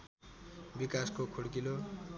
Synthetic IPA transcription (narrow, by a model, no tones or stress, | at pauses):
bikaskokʰuɽkilo